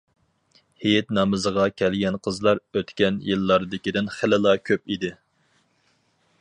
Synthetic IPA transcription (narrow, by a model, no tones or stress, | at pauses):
hejɛt̪nɑmɨzəʁɑkʲʰɛlɡʲɛnqʰəzlˠɑɾøt̪kʲɛnjɨlˠːɑɾd̪ɪkʲid̪ɪnχɪlɪlˠɑkʲʰøpid̪ɪ